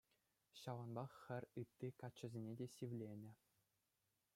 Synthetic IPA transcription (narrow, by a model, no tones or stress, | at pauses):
ɕɑʋɑnbɑχxʲɘ̆rʲɯt̪ːikɑt͡ɕːɘ̆zʲenʲedʲeɕiʋlʲenʲɘ̆